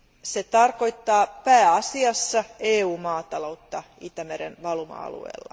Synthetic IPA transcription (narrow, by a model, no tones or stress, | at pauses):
set̪ɑrko̞jt̪ːɑːpæːɑsiɑsːɑeːuːmɑːt̪ɑlo̞wt̪ːɑit̪æmeɾenʋɑlmɑ̰ɑ̰lṵḛːlːɑ̰